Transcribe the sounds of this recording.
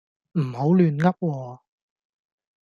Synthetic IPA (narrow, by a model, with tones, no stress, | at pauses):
m̩˨˩ho˨˥wlyː˨˧nŋɐ˥p̚wɔː˧